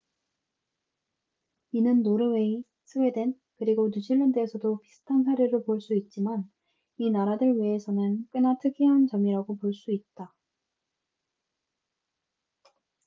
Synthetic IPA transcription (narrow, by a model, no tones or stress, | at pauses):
inɯnːoɾɯwei | sʰɯwe̞dwe̞n | kɯɾiɡonud͡ʑʰiɭːʌndɯesʰʌdopisʰɯ̥tʰansʰaɾeɾɯɭpoɭs͈uit̚t͡ɕ͈iman | inaɾadɯɭɥiesʰʌnɯnk͈ɯnatʰɯɡiɦant͡ɕʌmiɾaɡopoɭs͈uit̚t͈a